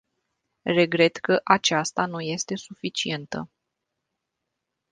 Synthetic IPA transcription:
re̞ɡɾe̞t̪kəʔat͡ʃast̪anuje̞st̪e̞sufit͡ʃie̞nt̪ə̰

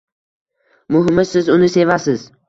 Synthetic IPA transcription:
mʊɦɪmɪsɪzʊnɪse̞vasɪz

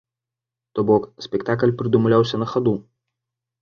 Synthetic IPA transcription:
t̪oboːksʲpʲɛkt̪aːkɐlʲpʲɾʲɪd̪ʊmʊlʲæˑʊsʲɛnɐxɐd̪uː

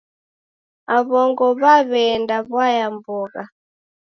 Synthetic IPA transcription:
aβɔŋɡɔβaβɛndaβwajambɔːka

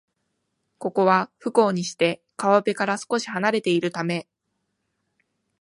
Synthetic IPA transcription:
ko̞ko̞βaɸɯ̟ko̞ːɲ̟iɕi̥t̪e̞ | kaβabe̞kaɾasɨ̥ko̞ɕi̥hanaɾe̞t̪e̞iɾɯ̟t̪ame̞

